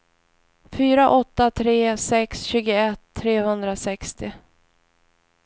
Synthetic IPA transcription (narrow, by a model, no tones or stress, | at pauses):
fyːɾaʔɔt̪ːat̪ʰɾeːsɛksɕʉ̟ːɡʊɛt̪ʰːɾeːhɵnd̪ɾasɛkst̪ɪ